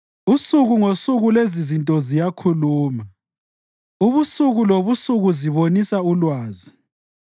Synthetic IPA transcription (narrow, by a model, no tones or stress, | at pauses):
usuɣuŋosuɣulezizintʼɔzijakʰuluːma | uβusuɣuloβusuɣuziβonisaulwaːzi